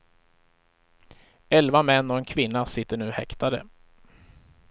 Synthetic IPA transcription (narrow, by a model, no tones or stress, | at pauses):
ɛlvamɛnːɔɛnkʰvɪnːasɪt̪ːəɳʉ̟ːhɛ̰kt̪ad̪ə̰